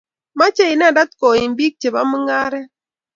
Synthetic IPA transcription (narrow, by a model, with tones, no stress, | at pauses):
ma˦t͡ʃe˦i˨n˦a˦˨da˦t̚kɔ˨i˨m˨˦bi˦k̚t͡ʃe˨ba˦mɨ˦ŋa˦ɾɛ˦